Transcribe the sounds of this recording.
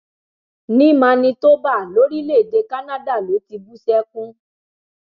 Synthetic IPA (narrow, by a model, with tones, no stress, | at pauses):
nĩ˦˨mã˧nĩ˧to˦ba˦˨lo˨˦ɾi˦le˦˨de˧ka˦nã˦da˦˨lo˨˦ti˧bu˦sɛ˦kũ˦